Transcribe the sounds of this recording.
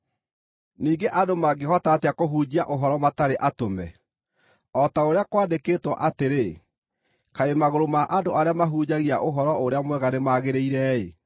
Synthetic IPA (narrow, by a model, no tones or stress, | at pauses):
niːɡeʔadomaɡehɔtaːteakoɦuːd͡ʑiaʔoɦɔɾɔmataɾeʔatomɛ̰ | ɔtaoɾeakwaːdekeːtwɔʔateɾe | kaemaɣoɾomaʔadoʔaɾeamaɦuːd͡ʑaɣiaʔoɦɔɾɔoɾeamwɛɣanemaɣeɾeiɾɛe